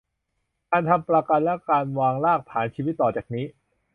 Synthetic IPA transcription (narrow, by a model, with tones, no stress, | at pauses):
kaː˧nt̪ʰa˧mpɾa˧ka˧nlɛ˦˥kaː˧nwaː˧ŋlaː˥˩k̚t̪ʰaː˩˦nt͡ɕʰiː˧wi˦˥t̪ːɔː˨˩t͡ɕaː˨˩k̚niː˦˥